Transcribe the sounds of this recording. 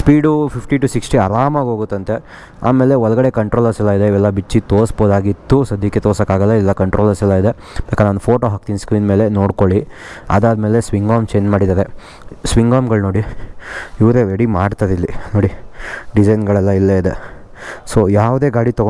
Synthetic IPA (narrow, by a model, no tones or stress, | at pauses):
spiːɖupʰipʰʈiʈusiksʈiɐɾaːmaːɡɦoːɡut̪ːɐnt̪e̞ | a̰ːme̞ːleɔlɐɡɐɽe̞kɐɳʈɾoːlɐsɛlːaid̪eiʋɛlːɐbit͡ʃːit̪oːɾsboːd̪aːɡit̪ːusɐd̪ʱjɐkːet̪oːsɐkːaːɡɐlːailːɐkɐɳʈɾoːlɐɾsɛlːaid̪e̞ | b̥eːkɐnaːnupʰoːʈoːɦaːk̚t̪inskɾiːnme̞ːlenoːɽkoɭi | ɐ̰d̪aːd̪me̞ːlesʋiŋɡaːmt͡ʃeːnmaːɽid̪aːɾe | sʋiŋɡaːmɡɐɭnoːɽi | iʋɾeɾeɽimaːɖt̪aːɾilːinoːɽiɖid͡ʒɐjnɡɐɭɛlːɐilːeid̪ḛ | sojaːʋd̪eːɡaːɽit̪ɔɡo